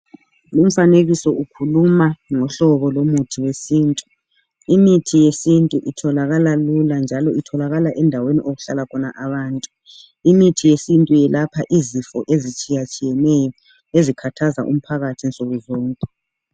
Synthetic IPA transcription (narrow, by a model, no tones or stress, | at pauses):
lum̩faneɣisɔukʰulumaŋɔɬɔβɔlomutʰiwesiːntʼu | imitʰijesintʼuʔitʰɔlaɣalaluland͡ʒʱalɔitʰɔlaɣalaʔɛndʱaweniʔoɣuɬalakʰɔnaʔaβaːntʼu | imitʰijesintʼujɛlapʰaʔizifɔʔezit͡ʃʼijat͡ʃʼijɛnɛjɔ | ezikʰatʰaza̰ʔum̩pʰaɣatʰinsʼoɣuzɔːŋkʼɛ